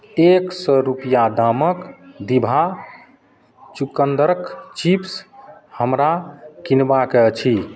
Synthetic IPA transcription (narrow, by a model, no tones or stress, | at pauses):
eksɔɾupijad̪aməkd̪ibʱa | t͡ʃukənd̪əɾəkt͡ʃipshəmɾakinbaket͡ʃʰi